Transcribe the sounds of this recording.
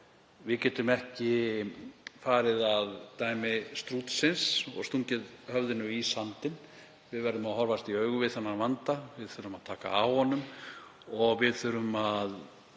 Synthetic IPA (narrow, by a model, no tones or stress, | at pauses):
vɪðcɛːt̪ʏmɛhcɪ | faːɾɪðaðt̪aːjmɪst̪ɾut̪sɪnsɔ̰ɣst̪uɲcɪðhœvðɪnʏisant̪ɪn | vɪðvɛɾðʏmahɔɾvast̪iœːɥɣʏvɪðθɛnːavant̪avɪðθœɾʏmað̥t̪ʰaːka̰awhɔnːʏm | ɔɣvɪðθœɾʏmað